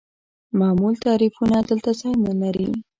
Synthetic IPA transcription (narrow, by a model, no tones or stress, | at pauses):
mɑmult̪ɑɾifunad̪əlt̪azɑjnəlaɾi